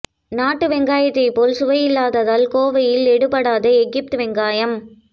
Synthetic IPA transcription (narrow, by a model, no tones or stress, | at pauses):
naːʈːɯʋɛŋɡaːjɐt̪ːɐɪpːoːlsʊʋɐjɪlːaːðɐðaːlkoːʋɐjɪlɛɽɯpːɐɽaːðɐɛɡɪp̚t̪ɯʋɛŋɡaːjɐm